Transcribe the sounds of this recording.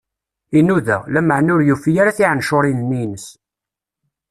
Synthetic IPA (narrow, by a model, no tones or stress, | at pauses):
inuðæ̰læməʕnʊɾjufijaɾaθiʕənʃʊɾˤinnːinəs